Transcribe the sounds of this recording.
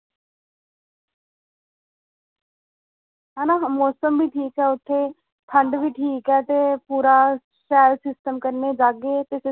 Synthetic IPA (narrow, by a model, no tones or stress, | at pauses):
ɛːnãːmoːsəmbiːʈʰiːkɛːʊt̪ʰːeː | t̪ʰəɳɖʋiːʈʰiːkɦɛːt̪eːpuːɾaː | sɛːlsɪsʈəmkəɾneːd͡ʒaːɡeːt̪eːsɪ